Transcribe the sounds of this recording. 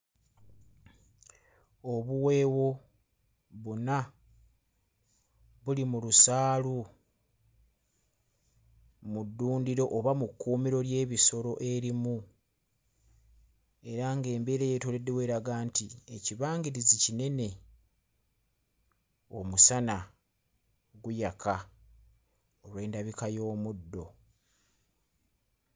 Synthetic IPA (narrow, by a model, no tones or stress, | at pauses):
oβuwe̞ːwo̞ | βuna | βulimulusaːlu | mudːuːndiɾo̞ʔːβamukːuːmiɾo̞lje̞ːβiso̞ɾo̞ʔe̞ɾimu | eɾaŋɡe̞ːmbe̞ːɾejetole̞dːe̞we̞ːɾaɡaːntie̞ciβaːŋɡiɾizicine̞ne̞ | o̞̰musana | ɡujakʰa | olwe̞ːndaβikajo̞ːmudːo̞